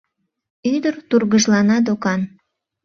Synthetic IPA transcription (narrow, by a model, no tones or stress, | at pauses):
yd̪ərt̪urɣəʒlɑnɑd̪okɑn